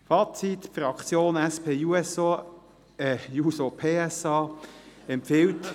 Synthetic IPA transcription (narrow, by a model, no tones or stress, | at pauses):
fɑːt͡sit̪fɾɑkt͡sjoːnæspʰeːjuɛso | ɛjuːsopʰeːɛsɑːɛmpfɪwt